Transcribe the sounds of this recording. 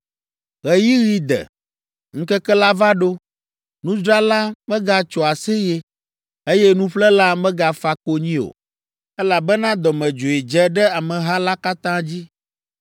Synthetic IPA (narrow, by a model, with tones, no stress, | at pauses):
ɣɛ˨ji˦ɣi˦d̪ɛ̰˨ | ŋ̩˦kɛ˦kɛ˦la˦va˦ɖo˦ | nũ˦d͡ʒɾa˦la˦mɛ̃˦ɡa˨t͡ʃɔ˨a˨se˦je˦ | e˦jɛ˦nũ˦ɸlɛ˦la˦mɛ̃˦ɡa˨fa˨ko˦ɲĩ˦o̰˨ | ɛ˦la˨bɛ˦nã˦d̪ɔ˨mɛ̃˨d͡ʒo˨e˨d͡ʒɛ˨ɖɛ˦a˨mɛ̃˨ɦa˦la˦ka˦t̪ã˦d͡ʑi˦